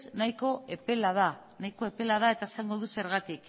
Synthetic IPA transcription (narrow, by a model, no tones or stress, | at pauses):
snajko̞ʔepe̞lað̞a | najko̞e̞pe̞lað̞ae̞t̪ae̞saŋɡo̞ðuse̞ɾɣ̞at̪ik